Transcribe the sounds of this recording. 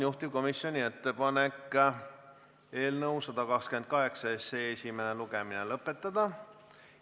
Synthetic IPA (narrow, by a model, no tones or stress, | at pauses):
juht̪ib̥̚ko̞misːjo̞nʲie̞t̪ːe̞pɑne̞k | e̞ːlnɤwsɑd̪̥ɑkɑkskymend̪̚kɑɦe̞ksɑese̞esʲime̞neluɡ̥e̞minelɤpːˑe̞t̪ːˑɑd̪̥ɑ